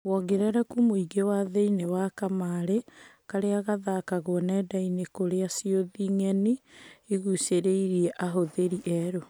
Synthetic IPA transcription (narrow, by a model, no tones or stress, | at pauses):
wɔɡeɾɛɾakumoiɡewaðeinewakamaɾe | kaɾeaɣaðakaɣoɔnɛdainekoɾeasioðiŋɛniiɣuseɾeiɾiɛʔaɦoðeɾiʔɛɾo